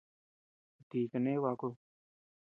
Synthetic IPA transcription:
d̪iːkneːʋaːkɽoː

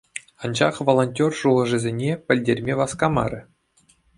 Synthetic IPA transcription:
ɑnd͡ʑɑχʋolˠonʲtʲorʂulˠɤ̆ʐɘ̆zʲenʲepʲɘ̆lʲdʲerʲmʲeʋɑskɑmɑ̰ɾʲɘ̆

